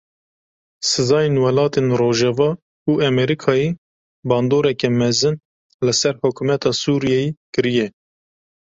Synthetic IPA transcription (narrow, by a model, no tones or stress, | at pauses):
sɨzɑːjenwɛlɑːt̪enroːʒɛvɑː | uʔɛmɛɾikʰɑːje | bɑːnd̪oːɾɛkɛmɛzɨn | lɨsɛɾhʊkʰumɛt̪ʰɑːsuːɾijɛjekɨɾijɛ